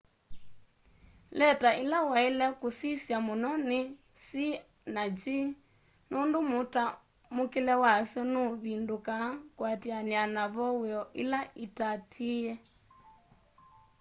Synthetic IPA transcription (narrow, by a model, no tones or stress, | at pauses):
lɛtaʔilawailɛkusisjamunɔni | si | nad͡ʒi | nundumuta | mukilɛwasjɔnuβindukakwatianianaβɔwɛɔʔilaʔitatʰiɛ